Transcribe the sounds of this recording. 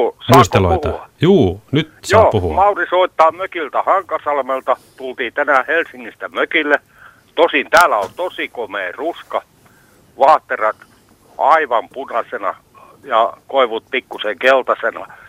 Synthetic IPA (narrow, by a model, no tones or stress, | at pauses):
smɑuist̪elo̰iuht̪ɑɑjuːnyt̪joːpuhumɑurisoit̪ːɑːmøkilt̪æhɑŋkɑsɑlmelt̪ɑt̪ult̪iːt̪ænæhelsiŋːist̪æmøkilːe | t̪osint̪æːlæolt̪osikomeːruskɑ | ʋɑːht̪ːerɑt̪ | ɑiʋɑmpunɑsenɑ̰ | jɑkoiʋut̪̚pikːuseŋkelt̪ɑsenɑ̰